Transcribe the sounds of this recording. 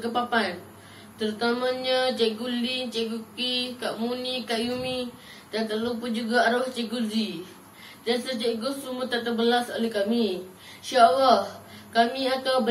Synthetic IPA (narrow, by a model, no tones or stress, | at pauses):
kəpapan | t̪əɾut̪amãɲat͡ʃaɡulint͡ʃaʔɡukikaʔmunikaʔjumi | dant̪əlopʊnd͡ʒuɡaaɾoht͡ʃɛɡuzi | dansət͡ʃaɡusumət̪aʔt̪ərbəlasolehkami | ʃalahkamiat̪awb